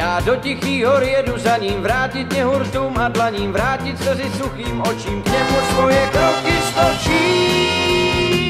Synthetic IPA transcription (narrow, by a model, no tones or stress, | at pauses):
jaːdocixiːɦoɾjɛduzaɲiːmvɾaːcit̪ɲɛɦuɾt̪uːmadlaɲiːmvɾaːcit̪sɛzɪsuxiːmot͡ʃiːmkɲɛmusvojɛkɾokɪst̪ot͡ʃiː